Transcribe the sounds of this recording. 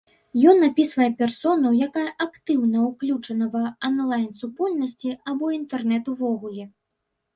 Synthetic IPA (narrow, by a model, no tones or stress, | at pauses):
jɔnːapʲisvɐjɛpʲɛrsɔnuwjakajɐʔakt̪ɨwnɐuklʲut͡ʂɐnɐvɐɐnlˠajnsupɔlʲnɐsʲt͡sʲiabɔint̪ɛrnɛt̪uvɔɣulʲɛ